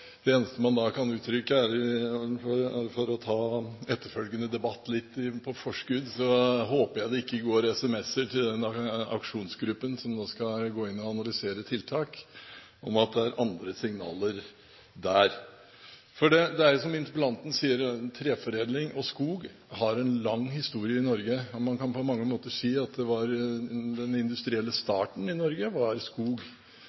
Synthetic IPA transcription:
d̪̥ɛeːnəst̪əmɑnd̪ɑkʰɑnʉːt̪ɾʏkːəæɾ | ɔɾɾfɔɾɔt̪ʰɑːɛt̪ːəɾfœlɡənəd̪ɛbɑt̪ːlɪt̪ːɪpʰɔfɔʂkʉd̪sɔɦoːpəjæɪd̪ɛɪkːəɡoːɾɛsɛmɛsːəʈʰɪld̪ɛnɑ̰kʂuːnsɡɾʉpːənsɔmnoːskɑɡoːɪnːɔɑnɑlʏseːɾət̪ʰɪlt̪ʰɑːk | ɔmɑt̪̚d̪ɛæɾʔɑnd̪ɾəsɪŋnɑ̰ːləɾ | d̪æːɾ | fɔɖɛd̪ɛæɾjʊsɔmɪnt̪əpəlɑnt̪ən̩siːəɾt̪ʰɾeːfɔɾeːd̪lɪŋɔskuːɡ | hɑɾɛnlɑŋːhɪst̪uːɾɪəɪnɔɾɡəɔmɑnkʰɑnpʰɔmɑŋːəmoːt̪əsiːɑt̪̚d̪ɛʋɑɾd̪ɛnɪnd̪ʉst̪ɾɪɛlːəst̪ɑːʈɳ̩ɪnɔɾɡəʋɑɾskuːɡ

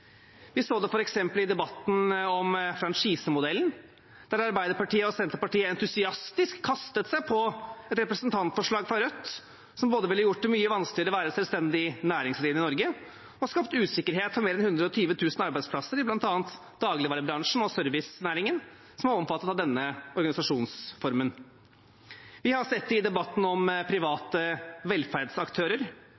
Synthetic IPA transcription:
ʋɪsoːd̪ɛfɔɾɛksɛmpəlɪd̪ɛbɑt̪ːn̩ɔmfɾɑnʂiːsəmʊd̪ɛlːn̩ | d̪̥æɾɑɾbæɪd̪əɾpɑʈiːəɔsɛnt̪əɾpɑʈiːəɛnt̪ʉsɪɑst̪ɪskʰːɑst̪ət̪sæɪpʰɔɛt̪ɾɛpɾɛsənt̪ʰɑnt̪fɔʂɭɑːɡfɾɑɾœt̪ː | sɔmboːd̪əʋɪlːəjʊʈːlmyːəʋɑnsklɪəɾəɔʋæːɾəsɛlst̪ɛnd̪ɪnæːɾɪŋsliːnɪnɔɾɡə | ɔskɑpt̪ʉːsɪkːəɾɦeːt̪fɔɾmeːɾɛnhʉnd̪ɾəɔt̪ʰyːʋət̪ʰʉːsnɑɾbæɪspʰlɑsːəɾɪblɑnt̪ɑːənt̪ | d̪̥ɑːɡlɪʋɑːɾəbɾɑŋʂɳ̩ɔsœɾʋɪsnæːɾɪŋən | sɔmhɑɾɔmfɑt̪ːət̪ɑʋd̪ɛnːəɔɾɡɑnɪsɑʂuːnsfɔɾmən | ʋɪhɑsɛt̪ːɪd̪ɛbɑt̪ːn̩ɔmpʰɾɪʋɑːt̪əʋɛlːfæɾɖsɑkt̪ʰøːɾəɾ

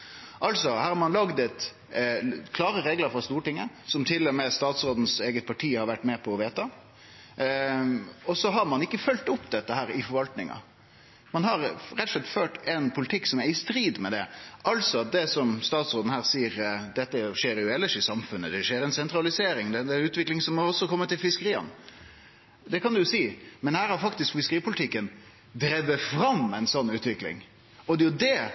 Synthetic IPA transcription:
ʔɑlsɔhæːɾhɑɾmɑnlɑɡd̪ət̪ | kʰlɑːɾəɾeːɡləɾfɾɑst̪uːəʈɪŋːə | sɔmt̪ʰɪlːɔmɛst̪ɑːt̪sɾoːd̪n̩seːɡət̪̚pʰɑʈʰiːhɑɾʋæʈːmɛːpʰɔːʋeːt̪ɑ | ɔsɔɦɑɾmɑnɪkːəfœlt̪ʊpd̪ɛt̪ːəhæːɾɪfɔɾʋɑlt̪nɪŋɑ̰ | mɑnhɑɾɾɛt̪ːɔ̥ʂlɛt̪ːføːʈɛnpʰʊlɪt̪ʰɪkːsɔmæɾɪst̪ɾiːd̪mɛd̪ɛʔɑlsɔɑt̪̚d̪ɛsɔmst̪ɑːt̪sʁoːd̪n̩əhæːɾsiːəɾd̪ɛt̪ːəʂeːɾjʊɛlːəʂɪsɑmfʉnːəd̪ɛʂeːɾɛnsɛnt̪ɾɑlɪseːɾɪŋd̪ɛd̪ɛʉːt̪ʋɪklɪŋsɔmːɔɾɔsːɔkʰɔmːət̪ɪlfɪskəɾiːɑ̰n | d̪ɛkɑnd̪ʉjʊsiːmɛnhæːɾhɑɾfɑkt̪ɪskfɪskəɾiːpʰʊlɪt̪ʰɪkːən | d̪ɾeʋəfɾɑmɛɪnsɔnːʉːt̪ʋɪklɪ̰ŋ | ɔd̪ɛjʊd̪ɛ

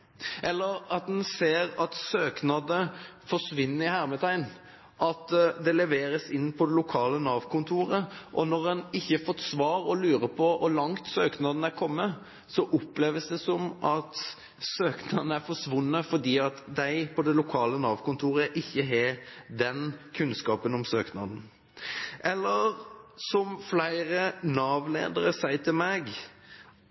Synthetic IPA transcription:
ʔɛlːəɾɑt̪̚d̪ɛnseːɾɑt̪søːknɑd̪əfɔʂʋɪnːəɾɪhæːɾmɛt̪ʰæɪn | ʔɑt̪d̪ɛlɛʋeːɾəsɪnːpʰɔd̪ɛlʊkʰɑːlənɑːʋkʰʊnt̪ʰuːɾəʔɔnɔɾɛnɪçːəfɔt̪ːsʋɑːɾɔlʉːɾəpʰɔʋɑlɑŋt̪søːknɑd̪ən̩æɾkʰɔmːə | sɔʔʊplɛːʋəsd̪ɛsɔmɑt̪ | søːknɑd̪n̩æɾfɔʂʋʊnːəfɔd̪iːɑt̪d̪æɪpʰɔd̪ɛlʊkʰɑːlənɑːʋkʊnt̪ʰuːɾəʔɪçːəɦed̪ɛnkʰʉnskɑːpənɔmsøːknɑ̰d̪n̩ | ʔɛlːəɾsɔmflæɪɾənɑːʋlḛːd̪əɾəsæɪt̪ʰɪlmɛɡ

